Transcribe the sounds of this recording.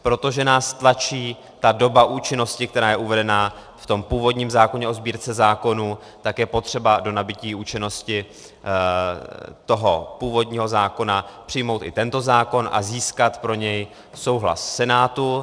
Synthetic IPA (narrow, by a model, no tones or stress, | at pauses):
pɾo̞t̪o̞ʒɛnaːst̪lat͡ʃiː | t̪ado̞baʔuːt͡ʃɪno̞scɪk̚t̪ɛɾaːjɛʔuvɛdɛna | ft̪o̞mpuːvo̞dɲiːmzaːko̞ɲɛʔo̞zbiːɾt͡sɛzaːko̞nu | t̪akjɛpo̞t̪r̝̥ɛbado̞nabɪciːuːt͡ʃɪno̞scɪ | t̪o̞ɦo̞puːvo̞dɲiːɦo̞zaːko̞napr̝̥ɪjmo̞wt̪ɪt̪ɛnt̪o̞zaːko̞nʔa̰ziːskat̪pɾo̞ɲɛj | so̞wɦla̰ssɛnaːt̪u